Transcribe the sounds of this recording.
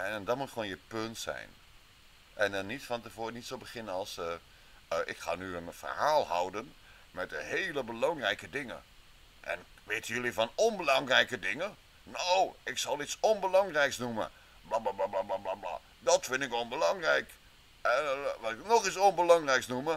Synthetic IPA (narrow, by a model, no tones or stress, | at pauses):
ɛndɔtmutχəʋoːnjəpøntsɛ̰jn | ʔɛndɔnːitfɔntəvoːnitsobəχɪnənɑlˠsə | əʔɪ̰kχa̰ːnyənfə̰rhaːlˠhʌ̰wdən | mɛt̚dəheːləbəlɑŋrɛjkədɪŋə̰ | ʔɛ̰n | ʋeːtəjølifɔnɔnbəlɑŋrɛjkədɪŋə | nowɪksɑlˠitsɔnbəlɑŋrɛjksnumə̰ | blablablablablablabla̰ | dɔtfɪndɪkɔnbəlɑŋrɛjk | ɛʋɑtɪknɔχisɔnbəlɑŋrɛjksnumə